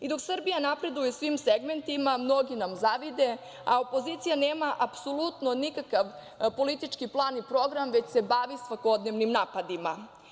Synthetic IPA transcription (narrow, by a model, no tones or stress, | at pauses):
id̪o̞ksr̩bijanapɾe̞d̪ujesʋimseɡme̞nt̪imamno̞ɡinamzaʋid̪e̞ | ao̞po̞ziːt̪sijaneːmaʔapsolˠut̪no̞nikakaʋ | po̞lit̪it͡ʃkiplˠaːnipɾo̞ɡɾamʋe̞t͡ɕsebaːʋisʋako̞d̪neʋnimnaːpad̪ima